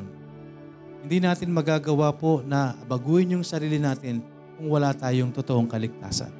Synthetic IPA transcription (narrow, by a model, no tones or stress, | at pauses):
n | hɪnd̪iːnaːt̪ɪnmɐɡaːɡɐwapo̞nɐɐbɐɡuːjɪnjʊŋsɐɾiːlɪnaːt̪ɪn | kʊŋwɐlat̪aːjoŋt̪ot̪oʔoŋkɐlɪɡ̚t̪a̰ːsɐ̰n